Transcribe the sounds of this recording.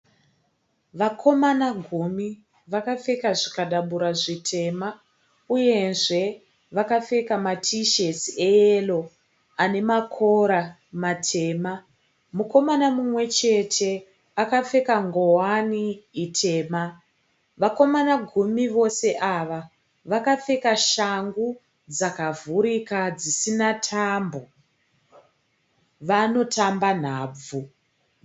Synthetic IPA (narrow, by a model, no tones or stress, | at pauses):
ʋakʰo̞manaɡʱumi | ʋakafe̞kaʐikaɗaɓuɾaʐitʰe̞ma | uje̞nʐe̞ | ʋakafe̞kamatʰiʃesieelo̞ | ane̞makʰoɾa | matʰe̞ːma | muko̞manamumwe̞t͡ʃe̞tʰe̞ | akap͡fe̞kaŋɡo̞waniːtʰe̞ːma | ʋako̞manaɡʱumiʋo̞se̞ʔaʋa | ʋakap͡fe̞kaʃaŋɡu | d͡zakavuɾikad͡zisinatʰambo̞ | ʋano̞tʰamban̤aːb͡vu